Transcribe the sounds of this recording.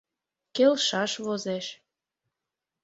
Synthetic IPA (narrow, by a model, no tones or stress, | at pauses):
kelʃɑʃβozeʃ